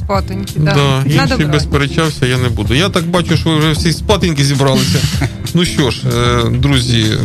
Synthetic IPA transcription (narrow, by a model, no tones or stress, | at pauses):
pɔt̪ɪnʲd̪ɑinʃijbɛspeɾet͡ʃawsʲɐjanɛbud̪ʊjat̪ɑk̚bɑt͡ʃʊʃɔʋɪwʒɛwsʲispɑt̪ɪnʲkɪzʲibɾɑlˠɪsʲɐ | nuʃt͡ʃɔʃd̪ɾuzʲi